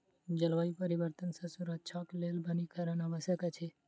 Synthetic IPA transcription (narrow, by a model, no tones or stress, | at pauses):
d͡ʒəlʋaːipəɾiʋəɾt̪ənsɐ̃suɾət͡ʃʰaklelbənikəɾənaʋəsjəkət͡ʃʰe